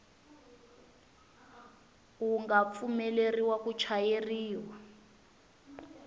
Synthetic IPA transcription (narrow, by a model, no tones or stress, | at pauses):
uŋɡap̪fumɛleriwakut͡ʃʰajeriːwa